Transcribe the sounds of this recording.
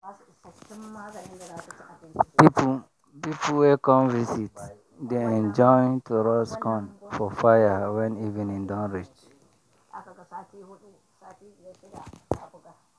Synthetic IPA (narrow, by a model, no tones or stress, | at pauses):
pip | pipʰlwɛkɔ̃mvisit | deɛ̃nd͡ʒɔ̃ntʰuɹɔskʰɔ̃nfɔfajəwɛ̃nivɛ̃nĩndɔ̃nɹit͡ʃ